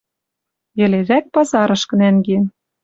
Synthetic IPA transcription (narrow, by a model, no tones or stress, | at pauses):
jɘ̆leʒæk̚pɑzɑɾɤ̆ʃkɤ̆nænɡe